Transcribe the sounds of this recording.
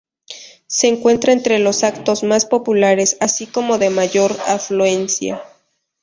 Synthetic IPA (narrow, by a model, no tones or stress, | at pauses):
se̞ːŋkwe̞nt̪ɾaent̪ɾe̞lo̞sakt̪o̞zmaspo̞pulaɾe̞sasiko̞mo̞ðe̞maʝo̞ɾaflue̞nsja̰